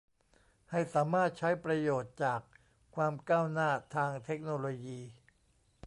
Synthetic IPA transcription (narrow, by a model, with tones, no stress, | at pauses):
ha˥˩jsaː˩˦maː˥˩t̪̚t͡ɕʰa˦˥jpɾa˧joː˨˩t̪̚t͡ɕaː˨˩kʰ | waː˧mkaː˥˩wnaː˥˩t̪ʰaː˧ŋt̪ʰe˦˥k̚noː˧loː˧jiː˧